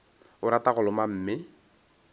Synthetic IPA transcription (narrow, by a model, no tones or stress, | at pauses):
ʊɾataɣʊlʊmam̩ːmɪ